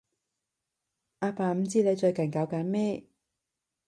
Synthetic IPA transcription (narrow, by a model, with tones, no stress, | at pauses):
ʔaː˧paː˨˩m̩˨˧t͡siː˥le˨˧jt͡ʃɵ˧ɥkɐ˨˩nkaː˨˧wkaː˨˧˥nmɛː˥